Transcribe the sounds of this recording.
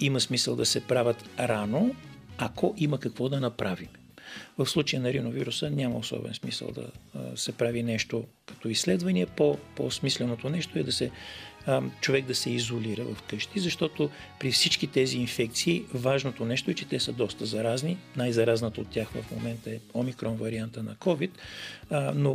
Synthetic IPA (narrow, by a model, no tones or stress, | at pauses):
iməsmisəlˠd̪ɐsɛpɾavʲət̪ɾanoɐkɔʔiməkɐkvɔd̪ɐnɐpɾavim | vɐfslˠut͡ʃɐjənɐɾinoviɾusənʲaməosɔ̰bɛ̰nsmḭsə̰lˠd̪ɐ̰sɛpɾavinɛʃt̪o | kɐ̥t̪ɔisːlɛd̪vɐniɛpopo̰smislɛnot̪onɛʃt̪oɛd̪ɐsɛ | t͡ʃovɛɡ̚d̪ɐsɛizoliɾəvɐfkɤʃt̪izɐʃt̪ɔt̪o | pɾifsit͡ʃkit̪ɛziːnfɛk̚t̪siːvaʒnot̪onɛʃt̪oɛt͡ʃɛt̪ɛsəd̪ɔst̪əzɐɾazninajzɐɾaznət̪ɐot̪ːʲjaxvɐ̰fmo̰mɛnt̪əɛomikɾɔnvɐɾiant̪ənɐkɔvit̪ | no